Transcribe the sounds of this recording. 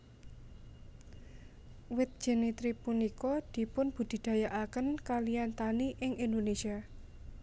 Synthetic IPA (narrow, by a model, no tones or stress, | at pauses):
wɪt̪̚d̥ʒ̥ɛ̤nit̪ɾipunikɔd̪̥i̤pʊnb̥ṳd̪̥i̤d̪̥a̤jaʔakənkaliant̪aniʔɪŋind̪onesia